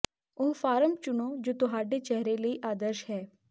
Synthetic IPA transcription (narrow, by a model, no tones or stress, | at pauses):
ʊɦfʰaːɾəmt͡ʃʊnod͡ʒoːt̪ʊɦaːɖeːt͡ʃɛɦɾeləiːʔaːd̪əɾʃɦɛː